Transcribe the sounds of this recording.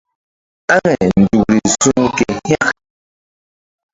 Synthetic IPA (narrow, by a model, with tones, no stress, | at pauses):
a˦ŋɛ˨n̩˨du˨kɾi˨su˦ŋ˦kɛ˨ha˦k